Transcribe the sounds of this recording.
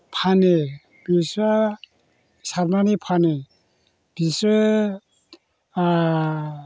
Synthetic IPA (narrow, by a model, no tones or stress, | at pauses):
pʰane | b̥isa | saɾmanipʰane | b̥ise